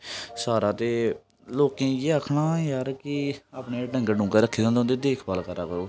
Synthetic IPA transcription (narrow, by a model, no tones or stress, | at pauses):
saːɾaːt̪eː | loːkẽːjeːaːkʰnãːjaɾkɪaːpɳeːɖə̃ŋɡɖũːkeːɾəkʰːeːd͡ʒãːnd̪̃nd̪eːd̪eːkʰbaːlkəɾaːkooː